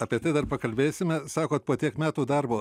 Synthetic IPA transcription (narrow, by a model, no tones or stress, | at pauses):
ɐpʲiɛt̪ɐɪd̪ɐrpɐkɐlʲbʲeːsʲɪmʲɛsɑːkoːt̪̚poːt̪ʲiɛkmʲæːt̪uːd̪ɐɾboː